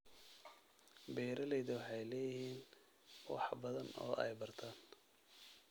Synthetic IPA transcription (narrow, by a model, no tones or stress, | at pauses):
bɛːɾɐlɛjðɐwɑħɑjlɛːjɪhiːn | wɑ̰ħbɐðɐnɔ̰ːʔɛ̰jbɐrt̪ʰaːn